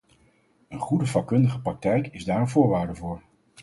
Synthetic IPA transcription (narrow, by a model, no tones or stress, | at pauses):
ənχudəvɑkːɵndəχəprɑk̚tɛjkɪzdaːrəvʊːɹʋaːɹdəvʊːɹ